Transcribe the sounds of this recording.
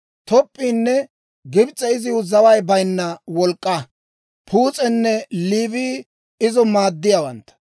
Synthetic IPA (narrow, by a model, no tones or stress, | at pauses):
t̪ɔpʼːiːnːɛ | ɡɪbt͡sʼːɛɪzɪʊzɐwɐjbɐjnːɐwɔlkʼːɐ | pʰuːt͡sʼɛnːɛliːviː | ɪzɔmaːd̪ːɪjawɐnt̪ɐ̥